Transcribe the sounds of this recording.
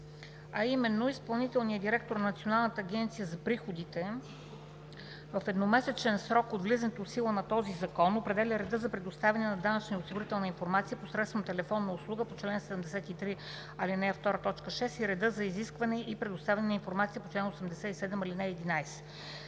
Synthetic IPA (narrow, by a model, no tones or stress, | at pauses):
ɐimɛnːoispɐlˠnit̪ɛlˠnijəd̪iɾɛk̚t̪oɾnɐnət̪sionalˠnət̪əːɡ̟ɛnt̪sijəzɐpɾixod̪it̪ɛ | vəfɛd̪nomɛsɛt͡ʃɛnsɾɔkot̪vlizənt̪osilˠənɐt̪ɔzizɐkɔnopɾɛd̪ɛlʲəɾɛd̪ɤzɐpɾɛd̪ost̪avʲɛnɛnɐd̪anət͡ʃniosiɡʊɾit̪ɛlˠnəinfoɾmat̪sijəposɾɛt̪st̪vəmt̪ɛlɛfɔnːəʊslˠuɡəpot͡ʃlɛnsɛd̪ɛmd̪ɛsɛt̪it̪ɾi | ɐlinɛɛft̪ɔɾət̪ɔt͡ʃkəʃɛsiɾɛd̪ɤzɐiziskvɐnɛʔipɾɛd̪ost̪avɛɐnɛnəinfoɾmat̪sijəpot͡ʃlɛnosɛmd̪ɛsɛisɛd̪ɛmilinɛɛd̪inajsɛ̥